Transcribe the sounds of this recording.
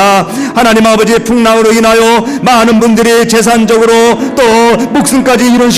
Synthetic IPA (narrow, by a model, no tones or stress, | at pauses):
hanaɲimabʌd͡ʑiepʰuŋnaŋɯɾoinɦajʌ | manɯnbundɯɾit͡ɕe̞s̬ʰand͡ʑʌɡɯɾot͈omok̚s͈ɯnk͈ad͡ʑiːɾʌnɕ̬ʰ